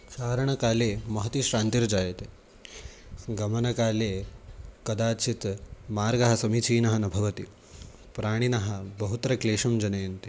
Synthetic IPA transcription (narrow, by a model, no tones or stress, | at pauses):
ʃaːɾɐɳ̃ɐkaːleːmɐɦɐt̪iʃɾaːnt̪iɾd͡ʒaːjɐt̪e | ɡɐmɐnɐkaːleːkɐd̪aːt͡ʃʰit̪maːɾɡɐɦɐ̆sɐmit͡ʃiːnɐɦɐnɐbʱɐʋɐt̪i | pɾaːɽ̃inɐɦɐ̆bɐɦut̪ɐɾɐkleːʂɐmd͡ʒɐnejnt̪i